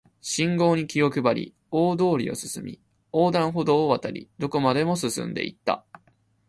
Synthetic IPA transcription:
ɕĩŋɡo̞ːɲ̟ikʲijo̞kɯ̟baɾʲḭ | oːd̪o̞ːɾʲio̞̰sɨ̥sɨmʲḭ | oːd̪ãɰ̃ɦo̞d̪o̞ːβat̪aɾʲḭd̪o̞ko̞mad̪e̞mo̞sɨsɨ̰̃nd̪e̞̰ḭt̪ːa̰

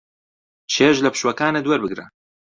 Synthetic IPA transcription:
t͡ʃʰeːʒlɐpʰɨ̥ʃwɐkaːnɐd̪wɐɾbɨɡɾɐ̰

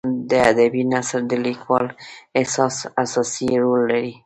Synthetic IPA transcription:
d̪əad̪abinasaɾd̪əlikwɑlesɑsasɑsiɾolːaɾi

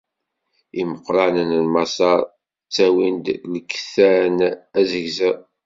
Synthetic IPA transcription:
iməqːɾˤɑnənlmɑsɑɾˤ | t͡sːæwind̪ləkːθænæzəʝzæ

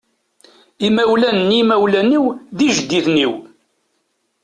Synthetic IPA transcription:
imæwlænːimæwlæniwðiʒəd̪ːiθniw

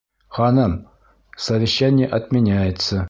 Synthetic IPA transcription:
χɑnɤm | sɐvʲɪɕːænʲɪjəʔɐt̪mʲɪnʲæjət̪sə

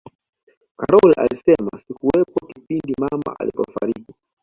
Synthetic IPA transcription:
kaɾɔlʔa̰lisɛma̰sikuwɛpɔkipindimama̰ʔalipɔfaɾiki

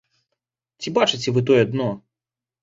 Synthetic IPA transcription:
tʲɪbat͡ʂɨt̬ʲɪvɨt̪̬ojɐd̪no

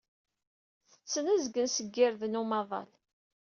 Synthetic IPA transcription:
θə̥t͡sːənæzɡənsəɡːɪɾðnumɑðˤɑ̰l

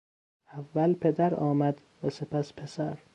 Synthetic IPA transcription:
ʔævːælpʰe̞d̪æɾɒːmæd̪ | væsepæspʰe̞sæɾ

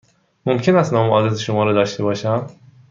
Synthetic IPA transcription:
momkʲʰenæst̪nɒːmeʔɒːd̪ɾet̪ʰeʃomɒːɾɒd̪ɒːʃt̪ʰebɒːʃæm

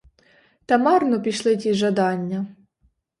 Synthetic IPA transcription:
t̪ɐmɑrnɔpʲiʃlˠɪtʲiʒɐd̪ɑnʲːɐ

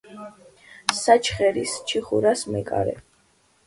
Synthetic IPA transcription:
sat͡ʃʰχɛɾist͡ʃʰiχuɾasmɛkʼa̰ɾɛ̰

